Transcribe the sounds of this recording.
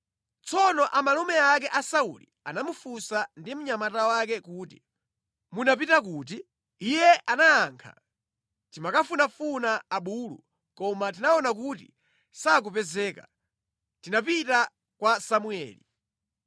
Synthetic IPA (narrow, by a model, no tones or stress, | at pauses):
t͡sɔnɔʔamalumɛakɛʔasaṵlḭ | a̰namufusandim̩ɲamatawak̬ɛkuːtḭ | munap̬itak̬uti | ijɛʔanaːŋkʰa̰ | timakafunafunaːɓuːlṵ | kɔmat̬inaɔnak̬utḭ | sak̬upɛzɛːka | tinapita | kwasamuɛ̰ːli